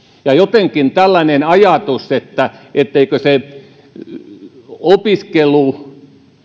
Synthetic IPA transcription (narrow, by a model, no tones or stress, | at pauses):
jɑjot̪eŋkint̪ælːænenɑjɑt̪uset̪ːæʔet̪ːeikøse | opiskelːˑu